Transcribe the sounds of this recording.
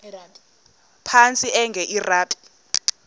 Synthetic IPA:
pʰant͡sʼiʔɛŋɡʱɛʔiraːtʼi̥

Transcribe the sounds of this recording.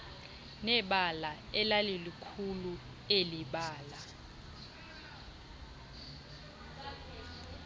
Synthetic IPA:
nɛɓala | ɛlalilikʰulu | eliɓaːla

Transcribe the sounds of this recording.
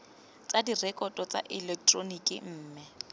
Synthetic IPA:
t͡sadirɛkʼɔtʼɔt͡sʼa̰ʔɪlɛk̚tʼronikʼḭm̩ːmɪ

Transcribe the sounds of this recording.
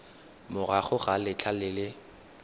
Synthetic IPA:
mʊraχʊɣalɪt͡ɬʰalɪlɪ

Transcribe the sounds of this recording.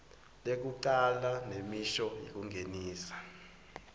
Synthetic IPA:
lek̬uǃalanemiʃɔjḭk̬uŋʱeniːsḁ

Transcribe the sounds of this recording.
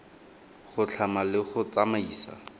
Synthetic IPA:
χʊt͡ɬʰamalɪχʊt͡samaiːsa̰

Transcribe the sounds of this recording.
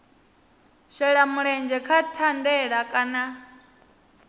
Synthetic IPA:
ʃɛɺamuɺɛnd͡ʒɛkʰatʰandɛɺakʼana

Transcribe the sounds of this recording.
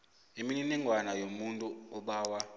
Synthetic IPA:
emininɛŋʱwanajomuntʼuɔɓaːwa

